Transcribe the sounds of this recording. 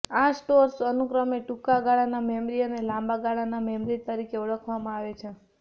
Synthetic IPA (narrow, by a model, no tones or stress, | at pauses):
asʈoɾsənukɾəmeʈukaɡaɭanamemɾiənelãmbaɡaɭanamemɾit̪əɾikeuɭəkʰʋamãaʋet͡ʃʰe